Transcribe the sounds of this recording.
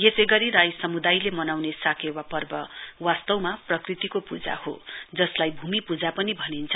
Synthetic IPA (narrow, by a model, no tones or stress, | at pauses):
jesejɡʌɾiɾajsʌmud̪ajlemʌnawnesakewapʌrbʌwast̪ʌwmaprʌkrit̪ikopud͡za̰ho̰d͡zʌslajbʱumipud͡zapʌnibʱʌnint͡sʰʌ